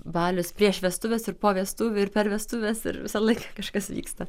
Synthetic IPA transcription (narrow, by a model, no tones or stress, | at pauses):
bɑːlʲʊspʲɾʲiɛʃʋʲiɛst̪ʊʋʲeːsɪrpoːʋʲiɛst̪uːʋʲʊɪrpʲɛɾʋʲiɛst̪ʊʋʲesɪ̰ɾʋʲɪsɐlˠɐɪkɐkɐʃkɐsʋʲḭːkst̪ɐ